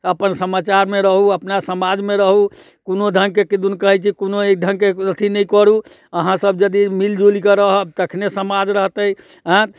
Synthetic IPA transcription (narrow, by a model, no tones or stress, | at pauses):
əpənsəmat͡ʃaɾmeɾəɦuəpnasəmad͡ʒmeɾəɦu | konod̪ʱəŋɡkekid̪unkəɦɛt͡ʃʰikonoek̚d̪ʱəŋkeɾət̪ʰinɛjkəɾu | əɦãsəbd͡ʒəd̪imild͡ʒulikəɾəɦəb̚t̪əkʰnesəmad͡ʒɾəɦt̪əj | ãt̪